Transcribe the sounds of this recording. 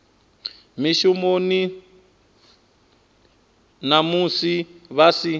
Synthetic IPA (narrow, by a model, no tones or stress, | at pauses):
miʃumoni | namusiβasi